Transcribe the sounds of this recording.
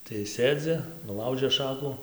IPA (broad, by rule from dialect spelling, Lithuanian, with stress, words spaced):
tɐɪ ˈsʲeːd͡zʲɪ nʊˈlˠɐʊʒʲeː ˈʃɑːkʊ